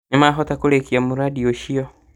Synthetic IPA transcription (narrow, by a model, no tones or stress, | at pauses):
ɲimaɦotakuɾekiamuɾadioʃijo